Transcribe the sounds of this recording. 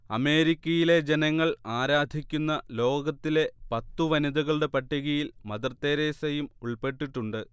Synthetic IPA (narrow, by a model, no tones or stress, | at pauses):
ɐme̞ːɾikʲːɐjile̞d͡ʑenɐŋːɐɭaːɾaːd̪ʱikʲːunːɐlo̞ːɡɐt̪ːile̞pɐt̪ːuʋɐnid̪uɣɐɭɖepɐʈːiɣɐjilmɐðɐrt̪ːeːɾeːsɐjumuɭpe̞ʈːiʈːuɳɖɨ